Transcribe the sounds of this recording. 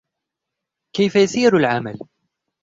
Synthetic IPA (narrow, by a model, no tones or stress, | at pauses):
kajfajasiːɾalʕama̰l